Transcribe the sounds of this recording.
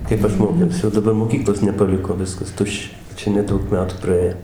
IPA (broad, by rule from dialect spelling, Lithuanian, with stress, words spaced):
ˈkɐɪp ɐʃ ˈmoːkʲɛʊsʲɪ oː dɐˈbɐr moːˈkʲiːklˠoːs nʲɛpɐˈlʲɪkoː ˈʋʲɪskɐs ˈtʊʃʲt͡ʃʲɛ ˈt͡ʃʲɛ nʲɛˈdɐʊk ˈmʲæːtuː prɐˈeː